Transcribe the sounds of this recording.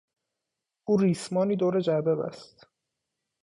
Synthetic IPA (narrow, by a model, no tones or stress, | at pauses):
ʔuːriːsmɒːniːd̪oːɾed͡ʒæbebæ̰st̪